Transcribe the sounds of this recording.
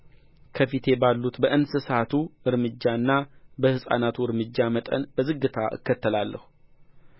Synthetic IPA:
kʰəfit̪ʰe̞balːut̪bəʔɨnsɨsat̪ʰuɨɾmɨd͡ʒːaɨnːabəhɨsʼa̰nat̪ʰuɨɾmɨd͡ʒːamət̪ʼə̰nbəzɨɡːɨt̪ʰaʔɨ̰kːət̪ːəlalːəhu

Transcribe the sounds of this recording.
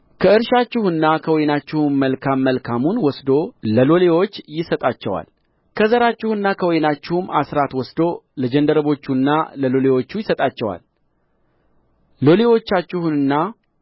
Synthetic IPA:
kʰəɨɾʃat͡ʃːɪhɨnːakʰəwɔjnat͡ʃːɪhumːəlkʰamːəlkʰamunwɔsd̪o̞ləlo̞le̞wo̞t͡ʃːjɪsət̪ʼat͡ʃːɛwa̰l | kʰəzəɾat͡ʃːɪhɨnːakʰəwɔjnat͡ʃːɪhumasɾat̪wɔsd̪o̞ləd͡ʒənd̪əɾəβo̞t͡ʃːunːaləlo̞le̞wo̞t͡ʃːujɪsət̪ʼat͡ʃːɛwa̰l | lo̞le̞wo̞t͡ʃːat͡ʃːɪhunɨnːa

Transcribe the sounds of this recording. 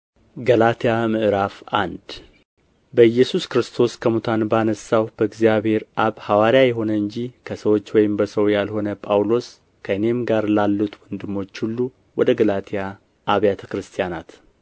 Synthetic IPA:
ɡəlat̪ʰijamɨʔɨɾafʔand̪ | bəjːɛsuskɾɨst̪ʰo̞skʰəmut̪ʰanbanəsːawb̥əɨɡzijaβhe̞ɾʔaβhawaɾjajɛɦo̞nəɨɲd͡ʒikʰəsəwo̞t͡ʃːwɔjɪmbəsəwjalho̞nəpʼawlo̞s | kʰəɨne̞mɡaɾlalːut̪wɔnd̪ɨmːo̞t͡ʃːhulːu | wɔd̪əɡəlat̪ʰijaː | βjat̪ʰəkɾɨst̪ʰijanat̪

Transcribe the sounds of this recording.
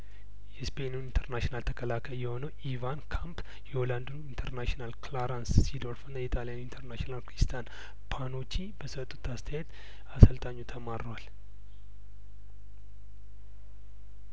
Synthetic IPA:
jɛspʰe̞nunint̪ʰəɾnaʃinalt̪ʰə̥kʰəlakʰəljɛho̞nəwʔivankʰamp | jɛoland̪unint̪ʰəɾnaʃnalklaɾansːid̪oɾfunːajɛt̪ʰalijanint̪ʰəɾnaʃnalkɾist̪ʰan | pʰano̞t͡ʃːibəsət̪ʼːu̥t̪ʰːast̪ʰəjɛt̪ | asəlt̪ʼaɲːut̪ʰəmaɾəwal

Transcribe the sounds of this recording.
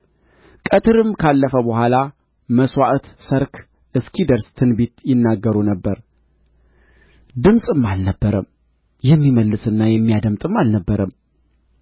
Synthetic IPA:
kʼət̪ʰɨɾɨmkʰalːəfəbəhʷala | məswaʔt̪səɾk | ʔɨskʰid̪əɾst̪ʰɨnbet̪jɪnːaɡːəɾunəbːəɾ | d̪ɨmsʼɨmːalnəbːəɾəm | jɛmːiməlːɨsɨnːajɛmːijad̪əmt̪ʼɨmalnəbːəɾəm

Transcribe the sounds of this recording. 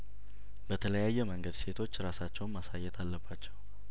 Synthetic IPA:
bət̪ʰələjajːɛməŋɡəd̪se̞t̪ʰo̞t͡ʃːɾasat͡ʃːɛwnmasajːɛt̪ʰalːəbːat͡ʃːɛw

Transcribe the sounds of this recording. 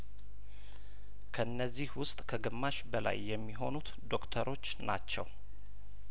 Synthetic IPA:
kʰəɨnːəzːihwʊst̪ʼkʰəɡɨmːaʃbəla̰jːɛmːiɦo̞nut̪ | d̪o̞kt̪ʰəɾo̞t͡ʃːnat͡ʃːɛ̰w

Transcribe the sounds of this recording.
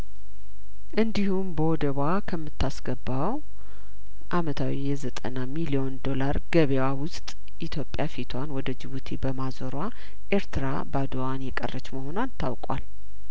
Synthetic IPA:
ʔɨnd̪ihumbəwɔd̪əβakʰəmːɨt̪ʰːasɡəbːaw | ʔamət̪ʰawijɛzət̪ʼə̰namilio̞nd̪o̞laɾɡ̥əβewawʊst̪ʼ | ʔit̪ʰjo̞pʼjafit̪ʰwanwɔd̪əd͡ʒɨβut̪ʰebəmazoɾa | ʔeɾt̪ʰɨɾa̰ | bad̪owanjɛkʼə̰rːət͡ʃʼːməho̞nant̪ʰawkʼwa̰l

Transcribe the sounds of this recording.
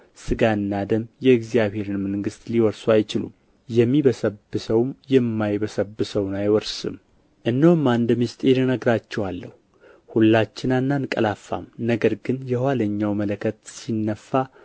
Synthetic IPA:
sɨɡanːad̪əmjɛɨɡzijaβhe̞ɾɨnmɨŋɡɨst̪ʼliwɔɾsuajt͡ʃɪlṵm | jɛmːiβəsəbːɨsəwmjɛmːajbəsəbːɨsəwnajwɔɾsɨ̰m | ʔɨnːəwmːand̪mist̪ʼeɾnəɡɾat͡ʃːɛwalːəhu | hulːat͡ʃːɪnanːankʼə̰lafːa̰mnəɡəɾɡɨnjɛhwaləɲːawmələkʰət̪̚sinːəfːa

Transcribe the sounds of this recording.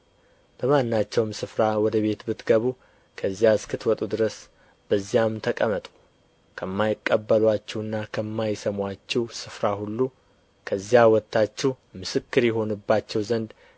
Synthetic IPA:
b̥əmanːat͡ʃːɛwmsɨfɾawɔd̪əβe̞t̪bɨt̪ɡəβu | kʰəzːijaskʰɨt̪wɔt̪ʼud̪ɨɾəs | b̥əzːijamt̪ʰəkʼəmət̪ʼu̥ | kʰəmːajɪkʼːəbːəlwat͡ʃːɛwɨnːakʰəmːajsəmʷwat͡ʃːɛwsɨfɾahulːu | kʰəzːijawɔt̪ʰːat͡ʃːɛw | mɨsɨkːɨɾjɛɦo̞nɨbːat͡ʃːɛwzənd̪

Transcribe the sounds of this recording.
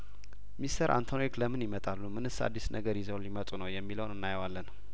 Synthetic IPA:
mist̪ʰəɾʔa̰nt̪ʰonekləmɨnjimət̪ʼalːumɨnɨsːa̰d̪ːisnʔəɡəɾjizəwlimət̪ʼunəwjɛmːiləwnɨnːajəwalːən

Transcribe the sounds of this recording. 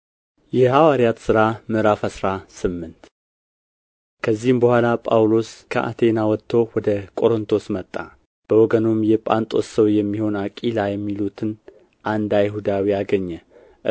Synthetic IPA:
jɛhawaɾjat̪sɨɾamɨɾafəsɾasɨmːɨnt̪ | kʰəzːihɨmbəhʷalapʼawlo̞skʰəʔa̰t̪ʰe̞nawɔt̪ʰːo̞wɔd̪əkʼo̞ɾɨnt̪ʰo̞smət̪ʼːa | b̥əwɔɡənomjɛpʼant̪ʼo̞ssəwjɛmːiho̞nakʼilajɛmːilut̪ʰɨn | ʔand̪ajɦud̪awiaɡəɲːɛ

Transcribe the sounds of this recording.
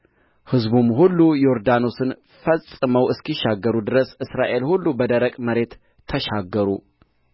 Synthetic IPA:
hɨzbumhulːujo̞ɾd̪ano̞sɨn | fəsʼɨməwɨskiʃːaɡːəɾud̪ɨɾəsɨsɾaʔe̞lhulːubəd̪əɾəkʼməɾe̞t̪ʰː | əʃaɡːəɾu

